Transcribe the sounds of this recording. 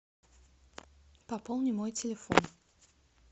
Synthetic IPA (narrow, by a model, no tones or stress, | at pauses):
papolˠnʲɪmojtʲɪlʲɪfo̰n